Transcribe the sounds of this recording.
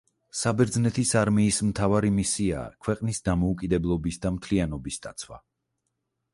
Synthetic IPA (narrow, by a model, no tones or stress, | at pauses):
sabɛɾd̪znɛt̪ʰisaɾmiːsmt̪ʰavaɾimisia̰ːkʰwɛqʼnisd̪amɔukʼid̪ɛblˠɔbisd̪amt̪ʰlianɔbisd̪̥at̪sʰwa̰